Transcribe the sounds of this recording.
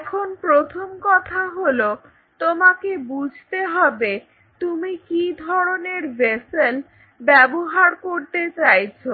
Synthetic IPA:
ɛkʰonpɾot̪ʰomkɔt̪ʰaɦolo | t̪omakebud͡ʑʱt̪eɦɔbe | t̪umikid̪ʱɔɾoneɾvesel | bɛboɦaɾkoɾt̪et͡ɕajt͡ɕʰo

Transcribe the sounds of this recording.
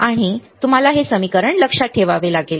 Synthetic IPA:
aɽ̃it̪um̤alaɦesəmikəɾəɳləkʂaʈʰeʋaʋelaɡel

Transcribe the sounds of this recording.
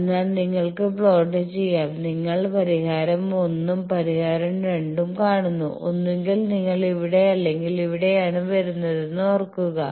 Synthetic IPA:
nːaːlniŋːɐɭkɨbɭoːɖɨt͡ɕe̞jːaːmniŋːɐɭpɐɾiɣaːɾɐmo̞nːumpɐɾiɣaːɾɐmreɳɖumkaːɳunːṵʔo̞̰nːueŋɡilniŋːɐɭiʋiɽe̞ɐlːe̞ŋɡiliʋiɽe̞jaːɳɨʋɐɾunːɐðenːɨorkːuɣɐ

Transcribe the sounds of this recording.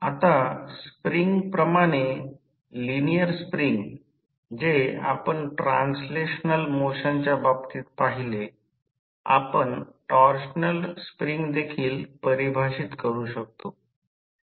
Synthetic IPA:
at̪aspɾiŋɡpɾəmaɽ̃e | linijəɾspɾiŋɡ | d͡ʑea̰pəɳʈɾansleɕnəlmoɕaɲt͡ɕjababt̪iːt̪̚paɦile | a̰pəɳʈɔɾɕnəlspɾiŋɡd̪ekʰiːlpəɾibʱaɕit̪kəɾuːɕək̚t̪o

